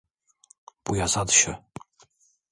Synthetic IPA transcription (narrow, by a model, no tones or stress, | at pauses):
b̥ujazad̪ɕɛ̰